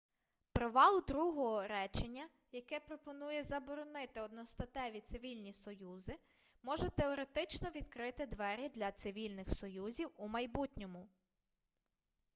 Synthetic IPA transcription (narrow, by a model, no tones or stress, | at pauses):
pɾɔʋɑlˠd̪ɾuɦɔɦɔɾɛt͡ʃenʲːɐ | jɐkɛpɾɔpɔnujɛzɐbɔɾɔnɪt̪ɪɔd̪nɔst̪ɐt̪ɛʋʲit̪sɪʋʲilʲnʲisɔjuzɪ | mɔʒɛt̪eɔɾet̪ɪt͡ʃnɔʋʲid̪kɾɪt̪ɪd̪ʋɛɾʲid̪lʲɐt̪sɪʋʲilʲnɪxsɔjuzʲiwumɐjbutʲnʲɔmʊ